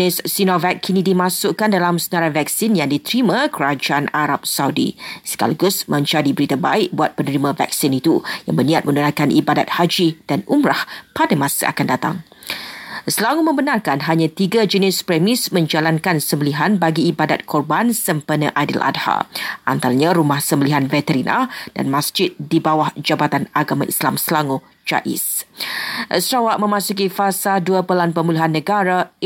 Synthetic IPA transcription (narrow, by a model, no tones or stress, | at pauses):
ɪsːinɔvɛt̚kʰinidimãsʊʔkandalamsənaɾavɛk̚sɪnjaŋdit̪əɾimãkəɾad͡ʒaʔanaɾap̚sawdḭsə̥ka̰laɡʊsmãɲt͡ʃadibəɾit̪aba̰ɪʔ̚buat̪̚pənəɾimãvɛ̰k̚sinit̪ujaŋbənĩat̪̚mə̃nunakanʔibadat̪̚had͡ʒid̥anʔumɾahpadamãsa̰ʔa̰kandat̪a̰ŋ | səlaŋumə̃mbənarkanɦaɲãt̪iɡad͡ʒənɪspɾɛmɪsmə̃ɲd͡ʒalankansəmbəliɦanbaɡiːbadat̪̚kʰɔrbansəmpənə̃ʔadḭlʔa̰dha̰ʔa̰nt̪alaɲãɾumahsəmbəliɦanvɛt̪əɾinʔa̰d̥a̰nmãsd͡ʒɪt̪̚dibawahd͡ʒabat̪anaɡamãʔḭslamsəlaŋo | d͡ʒa̰ʔḭs | ʔəsɾawaʔ̚mə̃mãsuk̬ifasaduapəlanpəmuluɦanːə̃ɡaɾa